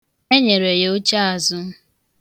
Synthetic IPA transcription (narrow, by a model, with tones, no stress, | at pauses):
e˦ɲe˨ɾe˨je˨˦o˦t͡ʃa˦a˨zʊ˦